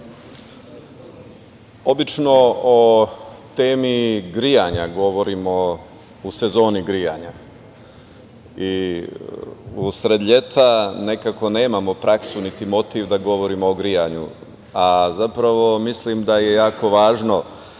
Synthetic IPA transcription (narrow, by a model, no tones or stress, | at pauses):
o̞bit͡ʃno̞ot̪eːmiɡɾijaɲaɡo̞ʋo̞ɾimo̞ | use̞zo̞ːniɡɾija̰ɲa | i | usɾed̪ʎe̞t̪ane̞kako̞ne̞ːmamo̞pɾaksunit̪imo̞t̪iʋd̪aɡo̞ʋo̞ɾimoːɡɾijaɲṵ | azapɾaʋo̞mislimd̪aje̞jaːko̞ʋaːʒno̞